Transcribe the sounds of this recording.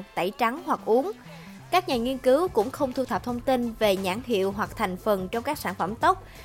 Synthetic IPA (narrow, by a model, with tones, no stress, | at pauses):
t̪a̰˧˩jt͡ɕa˨˦ŋhwa˨˩k̚ʔu˨˦ən | kaː˦˥k̚ɲaː˨˩ŋi˧ənkɨ˨˦wkʊ̰˧˥ŋ͡mxə˧wŋ͡mt̪ʰu˧t̪ʰə˨˩p̚t̪ʰə˧wŋ͡mt̪i˧nve˨˩ɲaː˧˥ŋɦḭ˧˨əwɦwa˨˩k̚t̪ʰa˨˩ŋ̟fə˨˩nt͡ɕɔ˧wŋ͡mkaː˦˥k̚saː˧˩nfə˧˩mt̪ə˦˥k͡p̚